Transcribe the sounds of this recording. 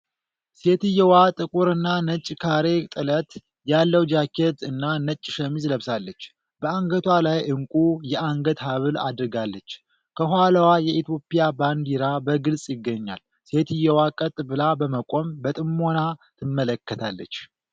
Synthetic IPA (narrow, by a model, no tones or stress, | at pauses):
se̞t̪ɨjːɛwat̪ʼɨkʼuɾɨnːanət͡ʃʼːkʰaɾe̞t̪ʼɨlət̪ | jalːəwd͡ʒakʰet̪ɨnːanət͡ʃʼːʃəmizləβsalːət͡ʃː | bəaŋɡət̪ʰwalajʔɨŋkʼujɛʔaŋɡət̪ɦaβɨla̰d̪ɨɾɡalːət͡ʃː | kʰəɦʷalawajɛit̪ʰjo̞pːijaband̪iɾabəɡɨlsʼjɪɡːəɲːa̰l | se̞t̪ɨjːɛwakʼət̪ʼbɨlabəməkʼo̞mbət̪ʼɨmːo̞nat̪ʰɨmːələkːət̪ʰalːə̰t͡ʃː